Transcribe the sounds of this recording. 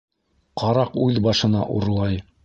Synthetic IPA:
qʰɑɾɑqʉðbɑʃɤ̆nɑʔṵɾlˠɑj

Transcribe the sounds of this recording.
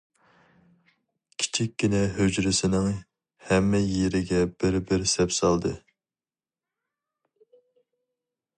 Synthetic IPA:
kʲʰi̥t͡ʃʰikʲːinɛɦød͡ʒɾɪsɪnɪŋ | hɛmːɛjeɾɪɡʲɛb̥ɪɾbɪɾsɛpsɑlˠd̪ɨ

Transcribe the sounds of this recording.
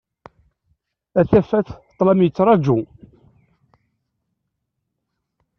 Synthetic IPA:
æθæfæθt̪ˤːlɑmjət͡sːɾˤɑd͡ʒu

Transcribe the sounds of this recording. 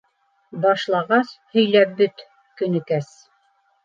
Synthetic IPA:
bɑʃlˠɑʁɑshɵ̆jlæp̚bɵt̪ | kɵ̆nɘ̆kæs

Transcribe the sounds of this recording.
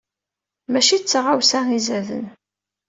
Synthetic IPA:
mæʃit͡sːʁawsæŋizəɾðə̰n

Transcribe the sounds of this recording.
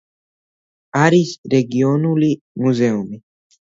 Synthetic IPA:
aɾisɾɛɡiɔnuli | muzɛumi

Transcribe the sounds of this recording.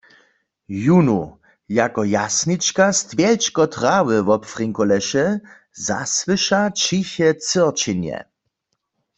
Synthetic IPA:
junu | jakɔjasnit͡ʃkast̪vjɛlt͡ʃkɔt̪ʁawɪvɔpfʁiŋkɔlɛʃɛ | za̰swɨʃat͡ʃiçɛt͡səʁt͡ʃinjɛ̰

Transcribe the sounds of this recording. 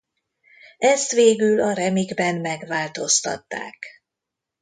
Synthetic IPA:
ɛst̪ʋeːɡylɒɾɛmiɡbɛnmɛɡʋaːlt̪o̞st̪ɒ̰t̪ːa̰ːk

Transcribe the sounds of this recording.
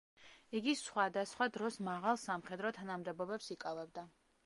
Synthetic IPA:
iɡisχwad̪asχwad̪ɾɔsmaʁalˠsamχɛd̪ɾɔt̪ʰanamd̪ɛbɔbɛpsikʼavɛbd̪a

